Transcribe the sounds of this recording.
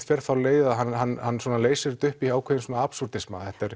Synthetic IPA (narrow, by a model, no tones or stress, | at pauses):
t̪fɛɾ̥θawleːjðaɦanhanːhanːsɔnaleːjsɪɾt̪ʏhpiaːwkʰvejðɪnsɔːnaapsuɾ̥t̪ɪsma̰ːðɛht̪aɛɾ